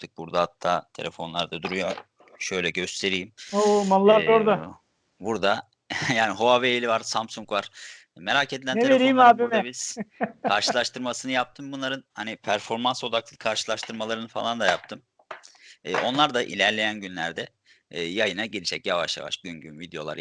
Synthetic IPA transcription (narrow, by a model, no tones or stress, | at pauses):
t̪ʰɯk̚buɾd̪ahat̪ʰːaːt̪ʰe̞lʲefo̞nlˠaɾd̪ad̪uɾujo | ʃø̞jlʲɛɟø̞st̪ʰe̞ɾijimomanlːˠaɾoɾd̪a | buɾd̪a | jaːniɦo̞avelʲivaɾsamsuŋkvaɾ̥ | me̞ɾaːcʰed̪ilʲæneeɾijimaːbimɛbiz̥kʰaɾʃɯlˠaʃt̪ʰɯɾmasɯnɯjap̚t̪ʰɯmbunlˠaɾɯnhanipʰæɾfo̞ɾmanso̞d̪ak̚lˠɯkʰaɾʃɯlˠaʃt̪ʰɯɾmalˠaɾɯnɯfa̰lˠand̪ajap̚t̪ʰɯm | ɛʔo̞̰nlˠaɾd̪aʔḭlʲæɾlʲe̞jænɟynlʲæɾd̪ɛː | jajɯnaɟiɾid͡ʒɛcjavaʃja̰va̰ʃɟynɟynvid̪ejo̞lˠa̰